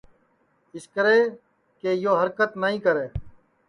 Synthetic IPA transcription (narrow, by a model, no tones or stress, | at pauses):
ɪskəɾeː | keːjoːɦəɾkət̪nəɦĩːkəɾeː